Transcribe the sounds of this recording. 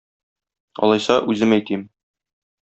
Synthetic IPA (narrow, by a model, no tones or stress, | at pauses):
ɒ̰lˠɑjsɑʔʉzɘmæjt̪im